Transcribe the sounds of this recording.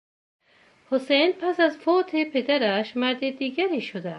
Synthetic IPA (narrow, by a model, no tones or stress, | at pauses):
hosejnpʰæsæzfot̪ʰepʰed̪æɾæʃmæɾd̪id̪iːɡæɾiːʃod̪æ